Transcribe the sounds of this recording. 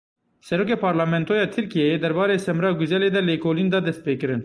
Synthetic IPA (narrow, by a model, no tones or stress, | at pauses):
sɛɾoːk̬eːpʰɑːɾlɑːmɛnt̪oːjɑːt̪ʰɨɾkijɛjeːd̪ɛɾbɑːɾeːsɛmɾɑːɡuzɛleːd̪ɛlekoːliːnd̪ɑːd̪ɛst̪̚peːkɨɾɨn